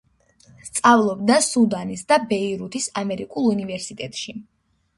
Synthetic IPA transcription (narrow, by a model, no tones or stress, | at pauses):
st̪sʼavlˠɔbd̪asud̪anisd̪abɛiɾut̪ʰisamɛɾikʼulˠunivɛɾsit̪ʼɛt̪ʼʃi